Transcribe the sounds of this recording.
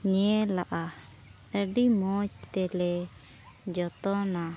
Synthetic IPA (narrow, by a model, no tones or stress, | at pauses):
ɲɛlaʔa | əɖimɔt͡ʃt̪ɛlɛ | d͡ʒɔt̪ɔna